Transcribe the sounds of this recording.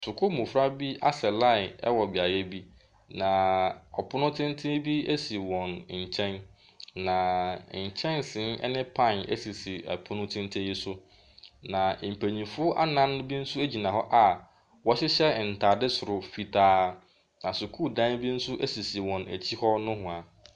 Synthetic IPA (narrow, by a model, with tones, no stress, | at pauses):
sʊ˨kʰʊ˦mũ˨fɾa˦bi˦ʔa˦sɛ˨la˦ɪ˨ɛ˦wɔ˨bɪ˨a˨jɛ˦bi˦ | nã˨ɔ˨pʰʊ˦nʊ̃˦tʰɪ̃˦n̩˦tʰɪ̃˦bi˦e˦si˨wɔ̃˨n˨ɲ̩˨t͡ɕʰɛ̃˦n | nã˨ɲ̩˨t͡ɕʰɛ̃˦nsɪ̃˨˦nɛ̰˦nɪ̃˦pʰã˦˨nḛ˦si˨si˨æ̰˨pʰʊ˦nʊ̃˦tʰɪ̃˦n̩˦tʰɪ˦ji˦sʊ˦ | nã˨m̩˨pʰæ˨ɲĩ˨fʊ˦ʔa˦nã˦n˦bi˦n̩˦sʊ˦e˦d͡ʑi˨nã˨ɦɔ˦ʔa˨ | wɔ˦ɕɪ˦ɕɛ˦˨n̩˨tʰaː˨dɪ˦sʊ˨ɾʊ˨fi˨tʰaː˦ | nã˨sʊ˨kʰuː˦˨dã˦n˦bi˦n̩˦sʊ˦ʔe˦si˨si˨wɔ̃˨næ̰˨t͡ɕʰi˦hɔ˦nʊ̃˦ɦʊ̃˨a˨